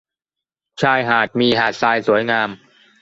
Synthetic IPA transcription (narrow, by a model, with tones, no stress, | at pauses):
t͡ɕʰaː˧jɦaː˨˩t̪̚miː˧ɦaː˨˩t̪̚saː˧jsu˩˦jŋaː˧m